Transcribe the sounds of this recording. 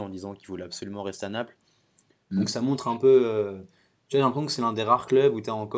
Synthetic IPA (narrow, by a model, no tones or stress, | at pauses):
ɑ̃d̪izɑ̃kivulapsɔlymɑ̃ʁɛst̪eanapl | d̪ɔ̃ksamɔ̃t̪χɛ̃pøø | t̪yvaʒɛ̃pʰχɛsɔ̃kəsɛlɛ̃d̪eʁaʁklœbut̪ɛɑ̃kɔ